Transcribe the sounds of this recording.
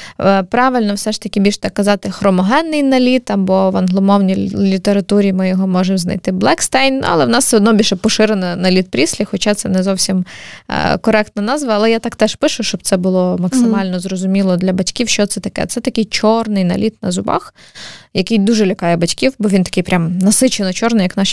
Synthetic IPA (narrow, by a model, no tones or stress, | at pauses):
pɾɑʋɪlʲnɔwsɛʃt̪ɐkʲibʲilʲʃt̪ɑkːɐzɑt̪ɪxɾɔmɔɦɛnːɪjnɐlʲit̪ɐbɔʋɐnɦlˠɔmɔwnʲijlʲit̪eɾɐt̪uɾʲimɪjɔɦɔmɔʒemznɐ̰jt̪ɪblˠɛkst̪ɛjnnṵɐ̰lˠɛwnɑsɛɔd̪nɔbʲilʲʃɛpɔʃɪɾenɐnɐlʲit̪̚pɾʲisʲlʲixɔt͡ʃɑt̪sɛnɛzɔwsʲim̰ | kɔɾɛk̚t̪nɐnɑzʋɐːlˠɛjat̪ɑkt̪ɛʃpɪʃʊʃt͡ʃɔb̪̚sɛbʊlˠɔmɐksɪmɑlʲnɔzrɔzʊmʲilˠɔd̪lʲɐbɐtʲkʲiwʃt͡ʃɔt̪sɛt̪ɐkɛ̰t̪sɛt̪ɐkɪjt͡ʃɔrnɪjnɐ̰lʲit̪nɐ̰zʊbɑ̰x | jɐkɪjd̪uʒɛlʲɐkɑjɛbɐtʲkʲiwbɔʋʲint̪ɐ̥kɪjpɾʲamnɐsɪt͡ʃenɔt͡ʃɔrnɪjɐknɑʃ